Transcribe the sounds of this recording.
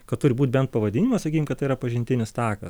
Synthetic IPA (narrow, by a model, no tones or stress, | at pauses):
kɐt̪t̪ʊɾʲɪbuːt̪̚ʲbʲɛnt̪̚pɐʋɐd̪ʲɪnʲɪmɐsɐkʲiːkʲɪmkɐt̪tɐɪiɾɐpɐʒʲɪnʲt̪ʲɪnʲɪst̪ɑːkɐ̰s